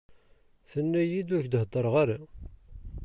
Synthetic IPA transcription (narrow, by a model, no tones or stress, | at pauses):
θənːæjid̪wæçd̪ɦd̪ˤəɾˤʁaɾa